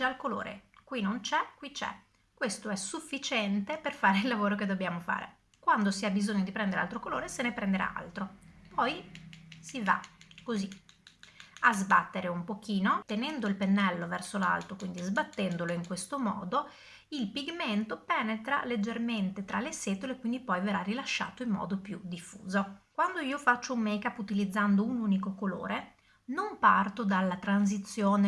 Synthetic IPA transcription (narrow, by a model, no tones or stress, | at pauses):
alkolo̰ːɾḛkwinont͡ʃɛkwit͡ʃɛ̰ | kwest̪oɛsufːit͡ʃɛnt̪eperfaːɾeilːavoːɾoked̪obːjaːmofa̰ːɾḛ | kwand̪osiabizoɲːod̪ipɾɛnd̪eɾea̰lt̪ɾokoloːɾesenepɾend̪eɾʔa̰a̰lt̪ɾopɔjsiva̰kozi | azba̰t̪ːeɾeumpok̟iːnot̪enɛnd̪oilpenːɛlːovɛrsola̰lt̪okwind̪izbat̪ːɛnd̪oloiŋkwest̪omɔ̰ːd̪o | ilpiɡment̪opɛːnet̪ɾa̰led͡ʒːerment̪et̪ɾalːesɛːt̪oleːkwind̪ipɔjverarilaʃːa̰ːt̪oimːɔ̰ːd̪opjud̪ifːṵːzokwand̪oiːofat͡ʃːoumːɛjkapːut̪ilid̪zːand̪ounuːnikokolo̰ːɾe | nompa̰rt̪od̪alːat̪ɾans̬it̪sːjoːne